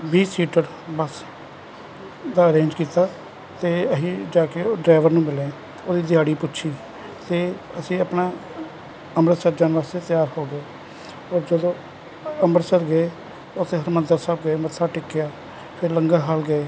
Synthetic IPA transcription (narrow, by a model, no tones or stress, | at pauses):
biːsiːʈəɾ | bəs | d̪aːəɾẽːnd͡ʒkiːt̪aː | t̪eːəɦĩːd͡ʒaːkeɖɾaːʋəɾnũːmɪlẽ | oːd̪iːd̪ɪjaːɽiːpʊːt͡ʃʃʰiː | t̪eː | əsĩːəpnaː | əmɾəsəɾd͡ʒaːnʋaːst̪eːt̪ɪjaːɾhoːɡəeː | ɔːɾd͡ʒəd̪õː | əməɾsəɾɡəeː | t̪ːʊt̪ʰːẽːɦəɾməd̪əːsaːb̚ɡəeːmət̪ʰːaːʈɪkːjaː | pʰɪɾləŋɡaːɦaːlɡəeː